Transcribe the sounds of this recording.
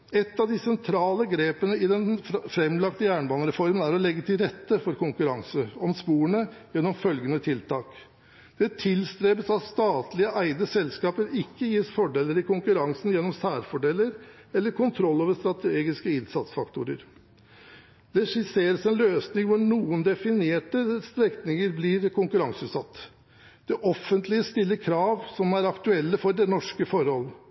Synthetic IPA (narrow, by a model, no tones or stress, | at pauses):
ɛt̪ːɑʋd̪ɪsɛnt̪ʰɾɑːləɡɾeːpənəɪd̪ɛnfɾɛmlɑkt̪əjæːɳbɑːnəɾɛfɔɾmənæɾɔlɛɡːət̪ʰɪlɾɛt̪ːəfɔɾkʊŋkʉɾɑŋsəɔmspuːəɳəjɛnːɔmfœlɡənət̪ʰɪlt̪ʰɑːk | d̪̥ɛt̪ʰɪlst̪ɾeːbəsɑt̪st̪ɑːt̪lɪəʔæɪd̪əsɛlskɑːpəɾɪkːəjiːsfɔɖeːlːəɾɪkʊŋkʉɾɑŋsnjɛnːɔmsæːɾfɔɖelːəɾɛlːəɾkʊnt̪ʰɾɔlːoːʋəst̪ɾɑt̪ʰeːɡɪskəɪnsɑt̪sfɑkt̪ʊːɾə̰ɾ | d̪ɛʂɪseːɾəsɛnløːsnɪŋʋʊɳuːənd̪ɛfɪneːʈəst̪ɾɛkt̪nɪŋəɾbliɾkʊŋkʉɾɑŋsʉːt̪sɑt̪ː | d̪̥ɛʔɔfːənt̪lɪəst̪ɪlːəkʰɾɑːʋsɔmæɾɑkt̪ʉɛlːəfɔɖɛnɔʂkəfɔɾhɔlːə